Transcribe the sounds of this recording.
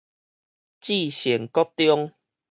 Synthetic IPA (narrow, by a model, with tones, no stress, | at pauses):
t͡ɕi˥˧˨ɕɛ˨˩ŋkɔ˦t̪jɔ˦ŋ